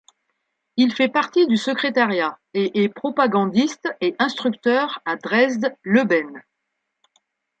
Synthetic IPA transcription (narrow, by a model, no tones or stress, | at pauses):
ilfɛpaʁt̪id̪ysəkχet̪aʁjaeʔɛpχɔpaɡɑ̃d̪ist̪eʔɛ̃st̪χyk̚t̪œʁad̪ʁɛzd̪ləbɛn